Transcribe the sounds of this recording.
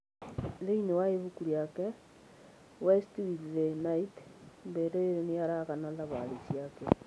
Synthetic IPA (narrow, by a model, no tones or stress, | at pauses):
ðeinewaeβukuɾjakɛ | wɛstwiðenaitmbeɾeeɾoniaɾaɣanaðaβa̰lisjakɛ